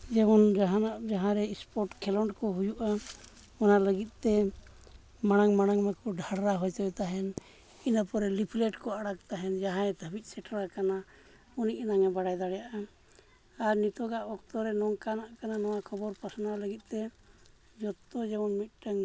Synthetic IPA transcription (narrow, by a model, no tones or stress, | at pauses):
d͡ʒɛbɔnd͡ʒaɦanaʔd͡ʒaɦãɾɛispɔɾʈkʰɛlɔɳʈkɔɦujuʔa | ɔnaʔləɡit̪̚ˀt̪ɛ | maɽ̃aŋmaɽ̃aŋmɛkɔɖʱaɽɾaɦɔjt̪əbɛt̪aɦɛn | inapɔɾɛlipʰlɛʈkɔaɽak̚t̪aɦɛnd͡ʒaɦãɛt̪ʰəbit̪̚ˀsɛʈaɾakana | uniʔinaŋɛbaɽajd̪aɽɛjaʔa | aɾnit̪ɔɡaʔɔkt̪ɔɾɛnɔŋkanaʔkananɔwakʰɔbɔɾpasanaləɡit̪̚ˀt̪ɛ | d͡ʒɔt̪ːɔd͡ʒɛbɔnmit̪̚ʈəŋ